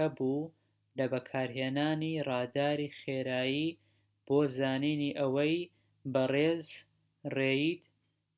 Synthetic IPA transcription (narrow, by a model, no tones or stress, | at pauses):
ɐbuː | lɐbɐkʰaːɾɦeːnaːnirɑːd̪aːɾiːχeːɾaːjiː | b̥oːzaːniːniːʔɐwɐj | bɐreːz | rejid̪